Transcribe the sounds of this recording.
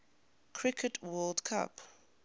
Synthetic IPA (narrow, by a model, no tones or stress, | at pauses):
kʰɹ̥ɪkʰətʰwɜldkʰa̰p